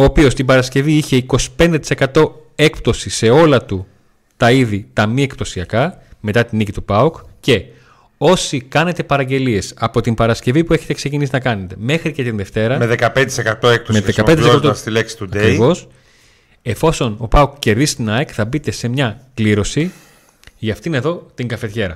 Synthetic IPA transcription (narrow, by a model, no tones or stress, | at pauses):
oːpio̞st̪imbɐɾɐsce̞viiçe̞iko̞si̥pe̞nd̪et̪i̥se̞kɐt̪o̞e̞k̚p̚t̪o̞sise̞o̞lɐt̪u | t̪ɐiðit̪ɐmie̞k̚pt̪o̞siɐkɐme̞t̪ɐt̪inicit̪upɐukce̞ | o̞sikɐne̞t̪e̞pɐɾɐɟe̞lie̞sɐpo̞t̪imbɐɾɐsce̞vipue̞çe̞t̪e̞kse̞cinisinɐkɐne̞t̪e̞me̞xɾicet̪inðe̞ft̪e̞ɾɐmeðekɐpend̪et̪isekɐt̪oek̚pt̪omeðekɐeskɐtt̪ost̪ileksi̥t̪udɐekɾivo̞s | e̞fo̞so̞no̞pɐukce̞ɾðist̪inɐekθɐbit̪e̞se̞mɲɐkliɾo̞si | ʝɐft̪iine̞ðo̞t̪iŋɡɐfe̞t̪çe̞ɾɐ̰